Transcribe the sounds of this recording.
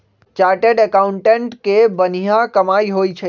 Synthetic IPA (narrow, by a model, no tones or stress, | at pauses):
t͡ʃaɾʈeɖəkauɳʈeɳʈkebənijãkəmaiɦojt͡ʃʰə